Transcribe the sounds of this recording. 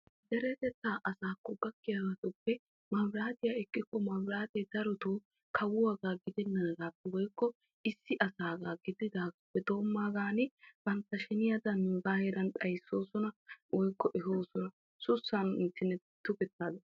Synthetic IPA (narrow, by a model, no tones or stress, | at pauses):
d̪ɛɾɛt̪ɛt̪ːaːʔɐsaːkːɔbɐkːɪjaɡat̪ʊpːɛ | mɐmɾaːt̪ɪjaːɛkːɪkːɔmɐmɾaːt̪ɛd̪ɐɾɔt̪oː | kʰɐwʊwaɡaːɡɪd̪ɛnːɐd̪ɐɡaːpːɛwɔjkːɔ | ɪsːɪʔɐsaːɡaːɡɪd̪ɪd̪aːɡapːɛd̪o̞ːmːaːɡaːnɪb̥ɐnt̪ːɐʃɛnɪjad̪ɐnbaːhɛɾɐnt̪ʼɐjsːo̞ːsɔnɐwɔjkːɔʔɛɦoːsɔnɐ | sʊsːanɪnt̪ːɪnːɛ | t̪ːʊkɛt̪ːaːd̪ɛ